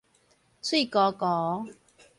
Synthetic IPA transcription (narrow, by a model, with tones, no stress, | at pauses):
t͡sʰwi˥˨kɔː˨˧˦kɔː˨˦